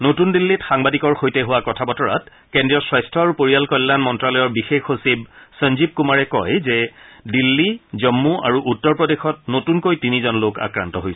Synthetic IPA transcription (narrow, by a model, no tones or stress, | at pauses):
notundilːitxaŋbadikɔɹxojtɛɦʊwakɔtʰabɔtɔɹa̰t̚ | kendɹijɔswajstʰɔaɹupoɹijalkɔjlːanmɔntɹalɔjɔɹbixexosib̚sənzip̚kumaɹɛkɔjzɛdilːizɔmːua̰ɹuʔutːɔɹpɹɔdexɔt̚notunkojtinizɔnloka̰kɹa̰ntɔɦojsɛ